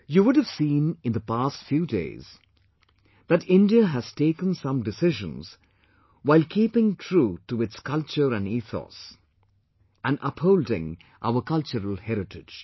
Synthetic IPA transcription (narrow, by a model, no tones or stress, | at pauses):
juwʊdɨv̥sĩːnɪ̃nd̪əpaːstfjuːdḛɪz̥ | ðæʈɪ̃ndiəɦæz̥teɪkə̃nsʌ̃mdɨsɪʒə̰̃nz̥ | waɪlkʰiːpɪ̃ŋtʰɾuːʈuɪtskʌlt͡ʃəɾæ̃niːθɔ̰s | æ̃nʔʌphoʊldɪ̰̃ŋ | ʔa̰ʊəkʌlt͡ʃəɾəlˠhɛɾɪʈɪ̥d͡ʒ̥